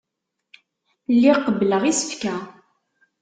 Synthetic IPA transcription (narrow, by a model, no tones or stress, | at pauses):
lːiqəbləʁisə̥fkæ